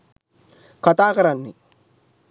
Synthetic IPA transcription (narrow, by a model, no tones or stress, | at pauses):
kat̪aːkɐɾanːi